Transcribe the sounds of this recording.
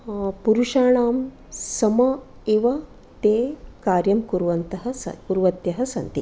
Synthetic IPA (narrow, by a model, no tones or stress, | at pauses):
puɾuʂaːɳaːm | sɐmɐ | eːʋɐ | t̪eːkaːɾjɐmkuɾʋɐnt̪ɐɦɐ̆sɐ̰kuɾʋɐt̪jɐɦɐ̆sɐ̰nt̪i